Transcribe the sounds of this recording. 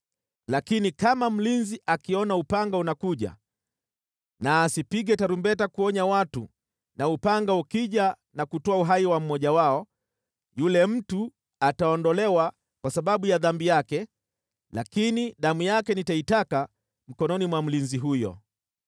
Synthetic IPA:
lakinikamam̩linziʔakiɔnaupaŋɡaunakuʄa̰ | naːsipiɠɛtaɾumbɛtakuɔɲawatu | naupaŋɡaukiʄa | nakutɔauɦaiwam̩mɔʄawaɔ | julɛm̩tu | ataɔndɔlɛwa | kwasaɓaɓujaðambijakɛ | lakiniɗamujakɛnitaitaka | m̩kɔnɔnimwam̩linziɦujɔ̰

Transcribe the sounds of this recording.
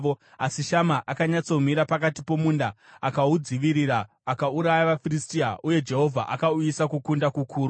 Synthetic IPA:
o | asiʃamaʔakaɲat͡so̞m̤iɾapakatipo̞muːndaakaud͡ziʋiɾiɾaː | kauɾajaʋafiristiaʔuje̞d͡ʒe̞ɦo̞vʱa̰ʔakauisakukundakukʰuːɾu

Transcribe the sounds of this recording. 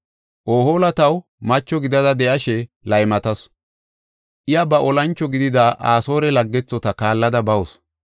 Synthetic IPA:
ʔoːho̞ːlɐt̪ɐw | mɐt͡ʃːɔɡɪd̪ɐd̪ɐd̪ɛʔɐʃɛlɐjmɐt̪ɐs | ʔɪjɐbɐʔɔlɐnt͡ʃːɔɡɪd̪ɪd̪aʔaːso̞ːɾɛlɐɡːɛt͡sːɔt̪ɐkaːlːɐd̪ɐbɐwɔs

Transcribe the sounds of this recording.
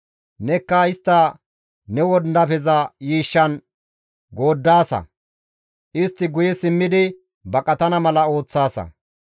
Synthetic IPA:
nɛkːɐɪst̪ːɐ | nɛwɔd̪d̪ɐpɛzɐjiːʃːɐn | ɡo̞ːd̪ːaːsɐ̰ | ʔɪst̪ːɪɡʊjɛsɪmːɪd̪ɪ | bɐkʼɐt̪ɐnɐmɐlɐo̞ːt͡sːaːsɐ̰

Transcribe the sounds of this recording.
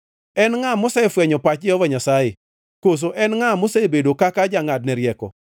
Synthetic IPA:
ɛnŋamosɛfwɛɲɔpat͡ʃd͡ʒɪɔvaɲasaje | kos̬oʔɛnŋamosebedokakad͡ʒaŋad̚nɛɾjɛkɔ̰

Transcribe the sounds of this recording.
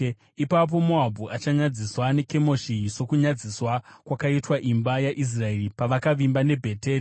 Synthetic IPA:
ipap̬o̞moabʱuʔat͡ʃaɲad͡ziswane̞ke̞mo̞ʃiso̞kuɲad͡ziswakwakaitwaʔimbajaʔis̬rae̞ripaʋakaʋimbane̞bʱe̞teːni

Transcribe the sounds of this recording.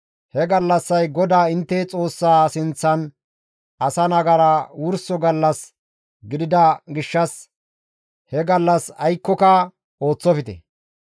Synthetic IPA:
hɛɡɐlːɐsːɐjɡɔd̪aːɪnt̪ːɛt͡sʼo̞ːsːaːsɪnt͡sːɐn | ʔɐsɐnɐɡɐɾɐwʊɾsɔɡɐlːɐs | ɡɪd̪ɪd̪ɐɡɪʃːɐs | hɛɡɐlːɐsɐjkːɔkɐ | o̞ːt͡sːɔfɪt̪ɛ̰

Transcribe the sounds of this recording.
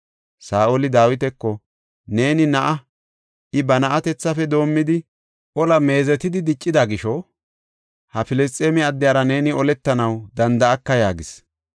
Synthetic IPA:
saːʔolɪd̪aːwɪt̪̬ɛkːɔ | ne̞ːnɪnɐʔɐ | ʔɪbɐnɐʔɐt̪ɛt͡sːɐfɛd̪o̞ːmːɪd̪ɪ | ʔɔlɐme̞ːzɛt̪ɪd̪ɪd̪ɪt͡ʃʼːɪd̪ɐɡɪʃɔ | hɐfɪlɛst̪ʼːeːmɪɐd̪ːɪjaːɾɐne̞ːnɪɔlɛt̪ːɐnɐwd̪ɐnd̪ɐɐkːɐjaːɡɪs

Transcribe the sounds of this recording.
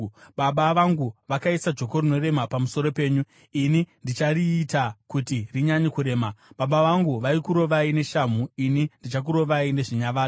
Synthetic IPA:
ɓaɓaʋaŋɡuʋakaisad͡ʒo̞ko̞rino̞re̞mapamuso̞ɾo̞pe̞ːɲu | inindit͡ʃaɾiːtakutiriɲaɲikuɾe̞ːmaɓaɓaʋaŋɡuʋaikuɾo̞ʋaine̞ʃam̤uinindit͡ʃak̬uɾo̞ʋaine̞ʐiɲaʋaː

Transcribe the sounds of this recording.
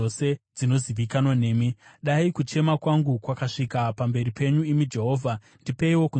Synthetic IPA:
ose̞d͡zino̞ziʋikanwane̞ːmiɗaikut͡ʃe̞makwaŋɡukwakaʂikapambe̞ɾipe̞ɲuimid͡ʒe̞ɦo̞ːvʱa | ndipe̞iwo̞ku

